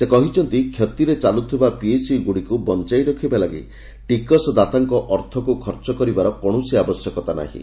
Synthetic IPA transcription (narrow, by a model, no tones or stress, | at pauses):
sekɔɦit͡ʃʰɔnt̪ikʰjɔt̪iɾet͡ʃalut̪ʰibapiesiɡuɽikubɔnt͡ʃajɾɔkʰibalaɡḭ | ʈikɔsd̪at̪aŋkɔʔɔɾt̪ʰɔkukʰɔɾt͡ʃɔkɔɾibaɾɔkɔɽ̃usiabɔsjɔkɔt̪ana̰ɦḭ̃